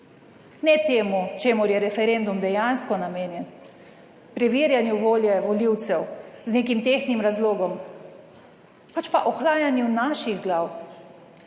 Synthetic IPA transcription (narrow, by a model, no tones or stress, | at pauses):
nɛt̪eːmut͡ʃeːmuɾjɛɾɛfɛɾend̪umd̪ɛjanskɔnameːnjɛn | pɾɛʋiːɾjanjuʋoːljɛʋɔliwt̪sɛwzneːkimt̪eːxnimɾazloːɡɔm | pat͡ʃpaʔɔxlaːjanjunaʃiɣɡlaːw